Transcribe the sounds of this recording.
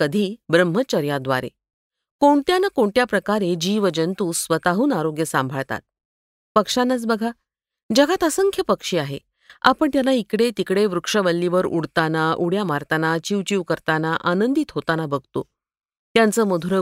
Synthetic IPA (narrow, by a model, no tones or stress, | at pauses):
kəd̪ʱiːbɾəm̤ːət͡ɕəɾjad̪ʋa̰ɾḛ | koɳt̪janəkoɳʈ̪japɾəkaɾed͡ʑiːʋəd͡ʑənt̪uːsʋət̪aɦuːnaɾoɡjəsambʱaɭt̪a̰t̪̚ | pəkʂanːat͡sbəɡʱa | d͡ʑaɡat̪əsəŋkʰjəpəkʂiːaɦḛ | a̰pəɳt̪janːaikɽet̪ikɽeʋɾukʂəʋəlːiʋəɾuɽt̪anaʔuɽjamaɾt̪anat͡ɕiʋt͡ɕiʋkəɾt̪anaʔanənd̪it̪ɦot̪anabəɡʱt̪o̰ | t̪jant͡səːməd̪ʱuɾə